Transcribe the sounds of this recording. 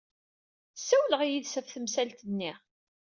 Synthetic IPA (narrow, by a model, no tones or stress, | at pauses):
sːæwləʁijiðsæfθəmsælt̪ənːi